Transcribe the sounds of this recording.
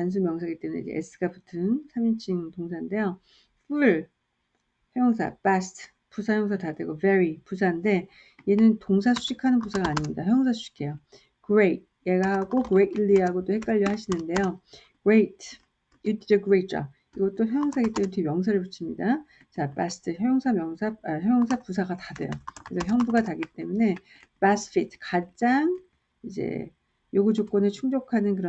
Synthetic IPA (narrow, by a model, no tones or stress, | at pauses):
tans̬ʰumjʌŋsʰaɡet͈e̞munḛḭd͡ʑḛes͈ʰɯ̥ɡapʰɯ̥tʰɯŋsʰamint͡ɕʰiŋtoŋsʰande̞jo | ɸʰuɭ | çjʌŋs̬ʰa̰pastʰ | pusʰajʌŋsʰatadeɡoveɾipusʰande̞ | ienɯntoŋs̬ʰasʰu̥ɕʰikʰanɯnpusʰaɡaːɲimɲidaçjʌŋs̬ʰasʰu̥ɕi̥kʰe̞jo | kɯɾeit̚ | jeɡaɦaɡokɯɾetiɭːiɦaɡot͈ohe̞k͈aʎːʌɦhaɕʰinɯnde̞jo | kɯɾetʰ | jut͈id͡ʑeɡɯɾet͡ɕ͈ʌ̰ | iɡʌt͈oçjʌjoŋsʰaɡit͈emnetʰoɡemjʌŋs̬ʰaɾɯɭput͡ɕʰimɲida | t͡ɕapastʰɯjʌjoŋsʰamjʌŋsʰaaçjʌjoŋsʰapusʰaɡatadɯ̰jokesoçjʌŋbuɡataɡit͈e̞mune̞ | pasfʰitʰkad͡ʑ͈aŋ | id͡ʑḛ | joɡɯd͡ʑok͈ʌnet͡ɕʰuŋd͡ʑokʰanɯnkɯɾʌ